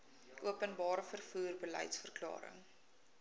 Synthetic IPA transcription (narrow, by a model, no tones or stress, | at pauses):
ʔuəpənbɑːɾəfərfuːrbəlɛ̰jtsfərklɑ̰ːɾə̰ŋ